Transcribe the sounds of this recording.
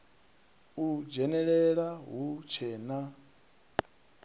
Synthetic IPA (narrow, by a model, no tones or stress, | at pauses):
ud͡ʒɛnɛɺɛɺaɦut͡ʃʰɛːna